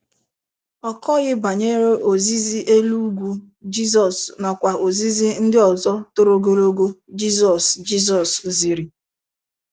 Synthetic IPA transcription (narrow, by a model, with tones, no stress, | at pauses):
ɔ˨kɔ˦ɣɪ˦ba˨ɲe˦ɾe˦ʔo˨zi˦zi˦ʔe˦lu˦ɡʷu˦ | d͡ʒi˦zɔ˨sna˨kʷa˨o˨zi˦zi˦n̩˦dɪ˦ɔ˨zɔ˦to˨ɾo˦ɡo˨ɾo˦ɡo˦d͡ʒi˦zɔ˨sd͡ʒi˦z̬ɔ˨szi˨ɾi˨